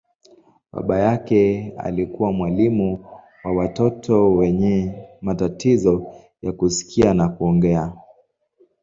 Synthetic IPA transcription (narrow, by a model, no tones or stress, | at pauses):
ɓa̰ɓajakɛa̰likuwamwalimu | wawatɔtʰɔwɛɲɛmatatizɔ | jakusi̥kʰianakuɔŋɡɛa